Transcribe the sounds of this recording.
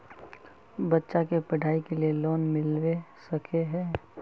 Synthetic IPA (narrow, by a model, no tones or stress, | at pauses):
bɐtːʃakepɐɖʱaːikelielɔːnmɪlwesɐkʰeɦɛː